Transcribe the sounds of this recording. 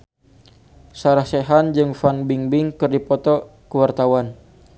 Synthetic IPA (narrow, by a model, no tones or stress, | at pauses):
saɾahseɦand͡ʒɨŋfanbiŋbɪŋkɨrdipɔt̪ɔkəwart̪awan